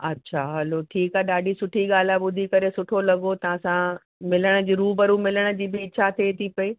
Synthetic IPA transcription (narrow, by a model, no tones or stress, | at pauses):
ɐtːɕʰaɦɐloʈʰiːkaɦeɗaːɖʱisʊʈʰiɠaːl̤aɓʊd̪ʱikɐɾesʊʈʰolɐɠot̪ɐʋãsã | mɪləɽ̃ə̆d͡ʑiːɾuːbɐɾumɪləɽ̃ə̆d͡ʑiːbɪɪt͡ɕʰat̪ʰeːt̪ʰipɐi